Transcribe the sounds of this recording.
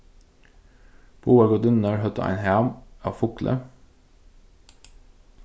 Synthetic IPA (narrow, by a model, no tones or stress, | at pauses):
b̥ʰuːɑɡod̪ʏnəɹhœt̪ə̰ʔæ̰ɪnhæːmɑːʋfʊklʔə̰